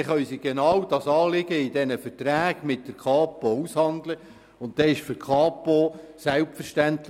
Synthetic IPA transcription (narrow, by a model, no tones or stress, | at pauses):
χœʏsiɡɛnɑwd̥ɑsɑːlɪɡəɪdɛnəfəɾtɾæːɡ̥mɪt̚d̥əɾkʰɑːpoushɑndlə | ʊnt̚d̥ɛːɪʃfʏɾkʰɑːposɛlp̪fəɾʃtæntl